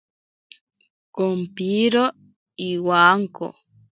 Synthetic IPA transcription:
kompiɾo | iwaŋko̰

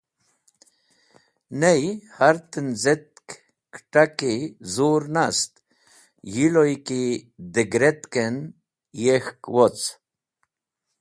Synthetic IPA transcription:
nejhaɾt̪ənzet̪̚k | kʈakizuɾnast̪ | jilojkid̪eɡɾet̪ken | jexkwot͡s

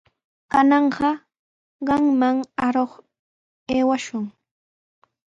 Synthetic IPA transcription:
kanɑɴɢɑ | ɢɑŋmaŋaɾoχ | eːwaʃʊŋ

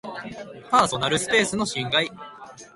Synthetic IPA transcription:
paːso̞naɾɯ̟sɨ̥pe̞ːsɨno̞ɕĩŋɡai

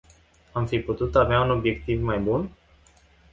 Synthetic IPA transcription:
amfiput̪ut̪aveauno̞bje̞kt̪ivmajbun

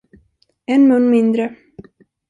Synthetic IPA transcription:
ɛnmɵnːmɪnd̪ɾə

